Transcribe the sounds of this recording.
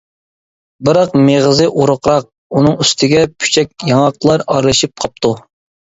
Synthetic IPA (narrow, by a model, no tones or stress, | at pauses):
bɨɾɑqmeʁəzɨʔuɾʊqɾɑq̚ | unɨŋyst̪ʰɪɡʲɛpʰy̥t͡ʃʰɛk̚ʲjɑŋɑqlˠɑɾɑɾlˠɨʃip̚qʰɑp̚t̪ʰu